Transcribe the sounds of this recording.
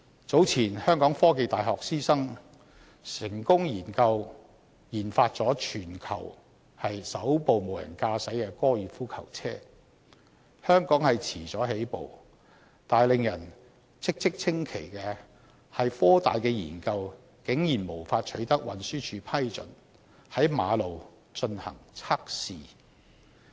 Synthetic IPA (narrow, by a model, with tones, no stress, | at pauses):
t͡so˨˥wt͡sʰiː˨˩nhœː˥ŋkɔː˨˥ŋfɔː˥ke˨jt̪aː˨jɦɔː˨k̚siː˥sɐ˥ŋ | sɪ˨˩ŋkʊ˥ŋjiː˨˩nkɐ˧w | jiː˨˩nfaː˧t̚t͡sɔː˨˥t͡ʃʰyː˨˩nkʰɐ̰˨˩w | hɐ˨jsɐ˨˥wpo˨wmo˨wjɐ̰˨˩nkaː˧sɐ˨˥jkɛː˧kɔː˥jyː˨˥fuː˥kʰɐ˨˩wt͡sʰɛː˥ | hœː˥ŋkɔː˨˥ŋhɐ˨jt͡sʰiː˨˩t͡sɔː˨˥ɦe˨˥jpo̰˨w | t̪aː˨jlɪ˨ŋjɐ˨˩n | t͡sʰɪ˥k̚t͡sɪ˥k̚t͡sʰɪ˥ŋkʰe˨˩jkɛː˧ | hɐ˨jfɔː˥t̪a̰ː˨jkɛː˧jḭː˨˩nkɐ˧w | kɪ˨˥ŋjiː˨˩nmo˨˩wfaː˧t̚t͡ʃʰɵ˨˥ɥt̪ɐ˥k̚wɐ˨nsyː˥t͡ʃʰyː˨˧pʰɐ˥jt͡sɵ̰˨n | hɐ˨˥jmaː˨˧lo˨w | t͡ʃɵ˧nhɐ̰˨˩ŋt͡sʰaː˥k̚siː˨